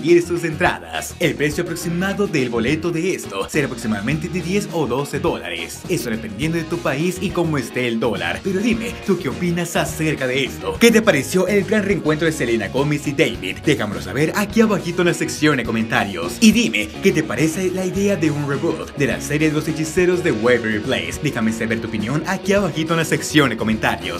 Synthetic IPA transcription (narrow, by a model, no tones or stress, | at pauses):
ɡiɾesuse̞nt̪ɾa̰ða̰se̞lpɾe̞sjoapɾo̞ksimaðo̞ðelβo̞le̞t̪o̞ðe̞est̪o̞seɾaːpɾo̞ksimaðament̪ed̪eðje̞so̞ðo̞se̞ðo̞la̰ɾḛsest̪oðepe̞nd̪jend̪oðet̪upaisiko̞moest̪eːld̪o̞la̰ɾpe̞ɾo̞ðime̞t̪ukeopinasase̞ɾkaðe̞est̪o̞ke̞t̪̬epaɾesjo̞ʔe̞lɡɾanreŋkwe̞nt̪ɾoðeselenaɣo̞mesid̪ejβḭd̪d̪e̞xamolosa̰βe̞ɾakiaβaxit̪onaseksjo̞nd̪eko̞ment̪aɾjo̰siðime̞ke̞t̪e̞paɾe̞selaiðe̞aðe̞unreβot̪d̪e̞la̰seɾjeðeloset͡ʃise̞ɾo̞zd̪e̞weβeɾiplḛjsd̪ixameseβeɾt̪uopinjo̞nakiaβaxit̪onaseksjo̞nd̪eko̞ment̪a̰ɾjo̰s